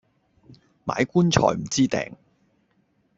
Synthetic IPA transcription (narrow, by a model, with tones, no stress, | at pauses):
ma̰ː˨˧˥jkuː˥nt͡ʃʰɔ̰ː˨˩jm̩˨˩t͡siː˥t̪ɛ̰ː˨ŋ